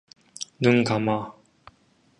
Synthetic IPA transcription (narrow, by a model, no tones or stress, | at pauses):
nɯŋkama